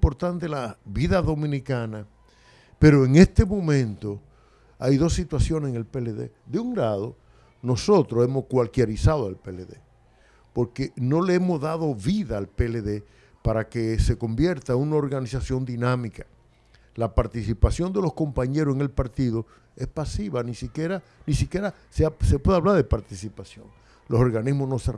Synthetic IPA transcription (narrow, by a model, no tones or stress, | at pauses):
impo̞ɾt̪ant̪elaβiðaðo̞mĩnikana | pe̞ɾo̞eŋe̞st̪emõ̞mẽ̞nt̪o̞ | ajðo̞sːit̪wasjo̞neseŋelpeleðe̞̰ | d̪euŋlaðo̞ | no̞so̞t̪ɾoe̞mo̞skwalkjeɾisaðoalpeleðḛ | po̞ɾkeno̞leemo̞zðað̞o̞βiðaːlpeleðe̞ | paɾakese̞ko̞mbje̞ɾt̪aunao̞ɾɣanisasjo̞nd̪inãmikḁ | lapaɾt̪isipasjo̞nd̪e̞lo̞sko̞mpaɲe̞ɾoseŋelpaɾt̪iðo̞ | espasiβanisikjeɾa | nĩsikje̞ɾa | seasepweðaβlaɾðepaɾt̪isipasjoŋ | loso̞ɾɣanizmosno̞se